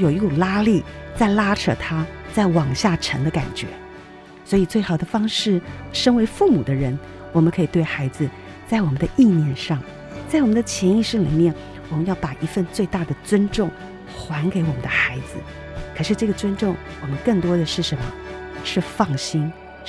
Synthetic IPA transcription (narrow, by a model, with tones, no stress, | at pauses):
jo˨˩ʊi˥u˨˩la˥li˥˩t͡sa˥˩ɪla˥ʈ͡ʂʰɤ̰˥˩t̪ʰa˥t͡sa˥˩ɪwɑ˨˩ŋɕja˥˩ʈ͡ʂʰə˧˥ŋd̪ə˧ka̰˨˩nt͡ɕɥɛ̰˧˥˦ | swɔ˧˥i˨˩t͡swe˥˩ɪxɑ˨˩d̪ə˦fɑ˥ŋʂɻ̩˥˩ʂə˥nwe˧˥ɪfu˥˩mu˨˩d̪ə˦ɻə˧˥n | wɔ˨˩mə˦nkʰɤ˧˥i˨˩t̪we˥˩ɪxa˧˥ɪd͡zɹ̩˧ | t͡sa˥˩ɪwɔ˨˩mə˦nd̪ə˧ʔi˥˧njɛ˥˧nʂɑ˥˩ŋ | t͡sa˥˩wɔ˨˩mə˦nd̪ə˧t͡ɕʰjɛ˧˥ni˥˧ʂ̩˥˩lḭ˨˩mjɛ˥˩n | wɔ˨˩mə˧˦njɑ˥˩ʊpa˨˩ʔi˧˥fə˥˧nt͡swe˥˧ɪt̪a˥˩d̪ə˩t͡swə˥nʈ͡ʂʊ˥˩ŋ | xwa˧˥nke˧˥ɪwɔ˨˩mə˦nd̪ə˧xa˧˥ɪd͡zɹ̩˧ | kʰə˨˩ʂɻ̩˥˧ʈ͡ʂɤ˥˩ɡə˩t͡swə˥nʈ͡ʂʊ˥˩ŋwɔ˨˩mə˦nkə˥˩ŋt̪wɔ˥d̪ə˨ʂɻ̩˥˩ʂə˧˥nmə̰˧ʂɻ̩˥˧fɑ˥˩ŋɕi˥n